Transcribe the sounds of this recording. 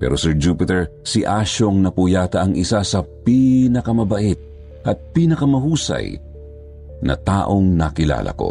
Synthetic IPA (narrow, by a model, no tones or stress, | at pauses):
pɛ̰ːɾʔosɛɹd͡ʒuːpɪt̪ɛɹsiʔaʃoŋnɐpujaːt̪ɐʔɐŋɪsasɐpiːnɐkɐmɐbɐʔɛt̪̚ | ʔɐt̪̚piːnɐkɐmɐɦuːsɐ̰j | nɐ̰t̪aːʔo̞ŋnɐkɪla̰ːlʔɐ̰ko̞̰